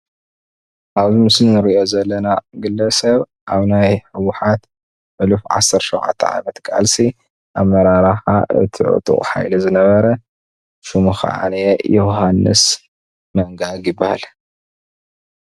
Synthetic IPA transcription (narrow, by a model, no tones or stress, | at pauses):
ʔaβzimɨslinɨɾiʔo̞zɐlːɐnaɡɨlːɐsɐβ | ʔaβnajħɨwʊħat̪ | ʕɨlufʕa̰sɐɾtʃowʕa̰t̪ʰːɐ̰ʕa̰mɐt̪kʼa̰lsi | ʔaβmɐɾaɾaħaʔɨ̰t̪ʰiʕṵt̪ʼṵχʼħa̰jlizɨnɐβɐɾɐ | ʃumuxa̰ʕa̰nejoɦanːɨ̰s | mɐŋɡaɡjɪbːaha̰l